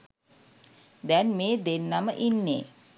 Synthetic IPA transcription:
d̪ɛnmeːd̪enːaməʔinːeː

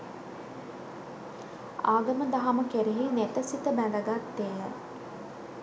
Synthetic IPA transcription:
aːɡəməd̪aɦaməkeɾeɦinet̪əsit̪əbæd̪əɡat̪ːeːjə̰

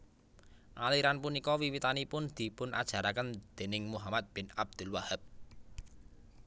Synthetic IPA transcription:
ʔaliɾanpunikɔwiwit̪anipʊnd̪̥i̤pʊnʔad̥ʒ̥ä̤ɾakənd̪̥e̤nɪŋmuɦamat̪̚b̥ɪnab̚d̪̥ʊ̤lwahəb̚

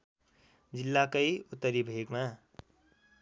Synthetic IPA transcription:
d͡zilːakəjut̪ːəɾibʱeɡma

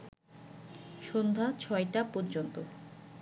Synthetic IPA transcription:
ʃond̪ʱat͡ɕʰɔeʈapɔɾd͡ʑont̪o

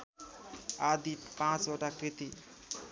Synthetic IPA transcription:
ad̪ipãt͡soʈakɾit̪i

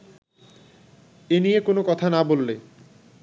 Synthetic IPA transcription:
enijekonokɔt̪ʰanabolːe

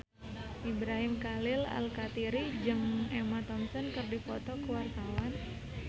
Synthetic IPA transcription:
ʔibɾaɦimkalɪla̰lkat̪iɾid͡ʒɨŋɛmat̪ɔmsɔnkɨrdifɔt̪ɔkuwart̪awan

